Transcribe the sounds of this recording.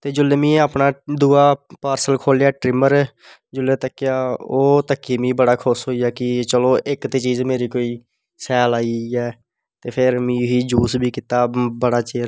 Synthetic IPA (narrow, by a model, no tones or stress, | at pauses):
t̪eːd͡ʒʊlːeːmĩːaːpnaːd̪uːaːpaːɾsəlkʰoːljaːʈɾɪməɾ | d͡ʒʊlːeːt̪əkːɪjaːoːt̪əkːiːmĩːbəɽaːkʰʊsɦoːijaːkɪt͡ʃəloːʔɪkt̪eːt͡ʃiːzmeːɾiːkoːiː | sɛːlaːiɛː | t̪eːpʰɪɾmĩːɦiːd͡ʒuːsbʱiːkɪt̪aːbəɽaːt͡ʃeːɾ